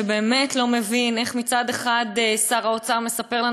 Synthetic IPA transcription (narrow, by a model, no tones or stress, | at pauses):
ebe̞ːme̞tlo̞me̞vine̞χmit͡sad̪e̞χadsaʁao̞t͡saʁme̞sape̞ʁla